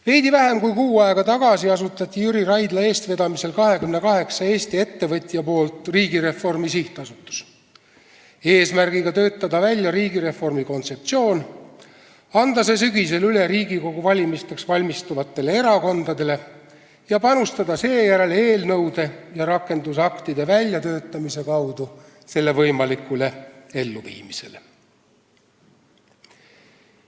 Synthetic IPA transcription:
ve̞jd̪ivæɦe̞mkujkuːɑe̞ɡ̥ɑt̪ɑɡ̥ɑsiɑsut̪ːˑɑt̪ʲːˑijyɾiɾɑjd̪lɑe̞ːst̪ve̞d̪̥ɑmise̞lkɑɦe̞kymne̞kɑɦe̞ksɑe̞ːst̪ie̞t̪ːe̞vɤt̪ʲːijɑpo̞ːlt̪ˑriːɡiɾe̞fo̞rmisiht̪ˑɑsut̪ːˑu̥s | eːsmærɡ̥iɡ̥ɑt̪ø̞ːt̪ːˑɑd̪ɑvælʲjɑɾiːɡiɾe̞fo̞rmiko̞nt̪se̞p̚t̪sio̞ːn | ɑnd̪̥ɑs̬e̞s̬yɡ̥is̬e̞lyleɾiːɡiko̞ɡuvɑlʲimist̪eksvɑlʲmist̪uvɑt̪ːˑe̞le̞e̞ɾɑko̞nd̪̥ɑd̪e̞le̞ | jɑpɑnust̪ɑd̪̥ɑse̞ːjæɾe̞le̞ːlnɤwd̪̥e̞jɑɾɑkːe̞nd̪̥usɑkt̪id̪e̞vælʲjɑt̪ø̞ːt̪ːˑɑmise̞kɑwd̪u | se̞lːe̞vɤjmɑlikːˑule̞e̞lːuvḭːmise̞le

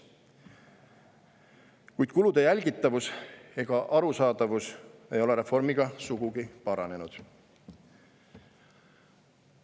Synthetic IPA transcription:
kujd̪̥kulud̪̥e̞jælʲɡit̪ːˑɑvuse̞ɡ̥ɑʔɑɾusɑːd̪̥ɑvuse̞jo̞le̞ɾe̞fo̞rmiɡ̥ɑsuɡ̥uɡ̥ipɑɾɑne̞nud̪̥

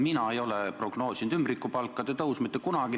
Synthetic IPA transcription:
minɑe̞jo̞lepro̞ɡ̥no̞ːsʲind̪ymbrikːˑupɑlkːˑɑd̪̥et̪ɤusmit̪ːˑekunɑɡ̥i

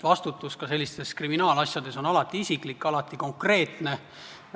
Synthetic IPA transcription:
vɑst̪ut̪ːˑuskɑse̞lʲːist̪e̞skriminɑːlɑsjɑd̪e̞so̞nɑlɑt̪ːˑiisiklikːˑɑlɑt̪ːˑiko̞ŋkre̞ːt̪ne̞

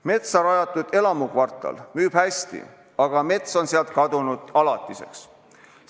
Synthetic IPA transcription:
me̞t̪sɑɾɑjɑt̪ːˑud̪̥e̞lɑmukvɑrt̪ˑɑ̰lmyːb̥hæsʲt̪ḭ | ɑɡ̥ɑme̞t̪so̞nseɑlt̪̚kɑd̪unud̪̥ɑlɑt̪ːˑise̞̰ks

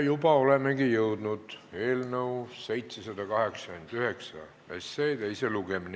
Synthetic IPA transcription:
jubɑo̞le̞me̞ɡijɤwd̪nud̪̥e̞ːlnəuse̞jt̪sesɑd̪ɑkɑɦe̞ksɑ̥kynd̪yɦe̞ksɑ | esːejt̪e̞jseluɡe̞min

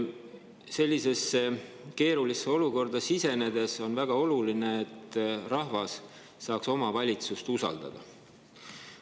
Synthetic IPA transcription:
se̞lʲːise̞sːe | ke̞ːɾulisːeo̞luko̞rd̪ɑsise̞ne̞d̪e̞so̞nvæɡ̥ɑo̞luline̞ːt̪ːˑrɑɦvɑsː | ɑːkso̞mɑvɑlʲit̪sust̪usɑ̰ld̪̥ɑ̰d̪̥ɑ̰

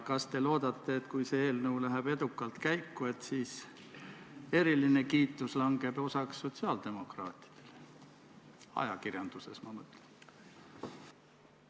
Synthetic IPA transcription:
kɑst̪e̞lo̞ːd̪ɑt̪ːe̞ːt̪kujseeːlnəwlæɦæb̥e̞d̪̥ukːˑɑlt̪kæjkːue̞t̪siːs | e̞ɾiline̞kiːt̪ːˑuslɑŋɡ̥e̞b̥o̞sɑksːo̞t̪siɑːld̪̥e̞mo̞krɑːt̪ˑi̥d̪̥e̞̥le | ɑ̰jɑkirjɑnd̪̥use̞̰smɑmət̪ːˑlen

